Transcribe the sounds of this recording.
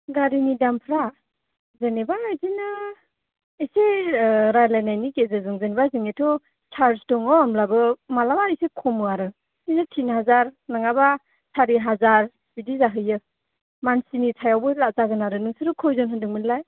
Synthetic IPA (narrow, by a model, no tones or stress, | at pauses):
ɡaɾinidampʰɾa | zenebaajzinɯ | eseɾajlajnajnikezɯzɯŋzanibazɯŋetʰɔ | tʰaɾstɔŋɔːmlabɯmalabaijsekʰɔmɯaɾɯ | isɯtʰinɦazaɾnaŋaba | saɾiɦazaɾ | bidizaɦɯjɯ | mansinitʰajawbɯlazaɡɯnaɾɯnɯŋsɯɾɯkʰɔjzɔnɦɯndɯŋmɯnlaj